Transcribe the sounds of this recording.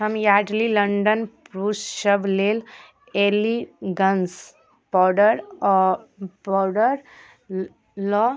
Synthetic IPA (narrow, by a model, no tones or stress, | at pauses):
ɦəmjaɖliləɳɖənpɾusʃəblel | eliɡəns | b̥ɔɖəɾ | bɔɖəɾ | lɔ